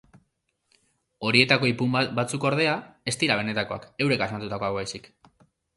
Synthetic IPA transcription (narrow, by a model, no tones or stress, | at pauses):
o̞ɾie̞t̪ako̞ipumbat͡sukoɾð̞e̞ae̞st̪iɾaβ̞e̞ne̞t̪ako̞a̰ke̞wɾe̞kazmat̪ut̪akoaɣβajsik